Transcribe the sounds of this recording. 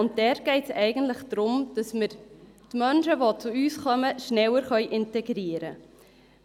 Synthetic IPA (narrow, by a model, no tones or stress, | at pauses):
ʊnt̚d̥ɛːɾɡ̥ɛɪtsɛɪɡən̩tləχd̥ɾʊmd̥ɑsməɾ | tmœnʃəʋot͡suyːsχœməʃnɛwəɾχœʏʔɪntɛɡɾiəɾə